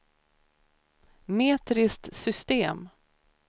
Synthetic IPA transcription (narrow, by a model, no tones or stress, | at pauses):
meːt̪ɾɪst̪sʏst̪eːm